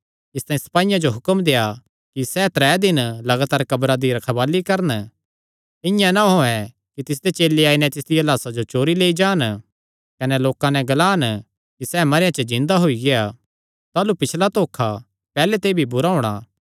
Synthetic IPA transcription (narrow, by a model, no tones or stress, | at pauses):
ɪst̪aːĩsɐ̥paːɪjãd͡ʒoɦʊkəmd̪eːa | kisɛːt̪ɾɛːd̪ɪnlɐɡaːt̪aːɾkɐbɾad̪iɾɐkʰɐbaːlikɐɾən | ɪ̃jãnaɦoːɛ̃ | kit̪ɪs̬d̪et͡ʃeːlːeaːinɛ̃t̪ɪsd̪ɪjalaːsad͡ʒot͡ʃoːɾileːid͡ʒaːn | kɐnɛloːkãnɛ̃ɡɐlaːn | kisɛːmɐɾjãt͡ʃəd͡ʒɪ̃nd̪aɦoiɡea | t̪aːlupɪt͡ʃʰlat̪oːkʰːa | pɛːlɛt̪eːbʱibʊɾaɦʊɽ̃a̰ː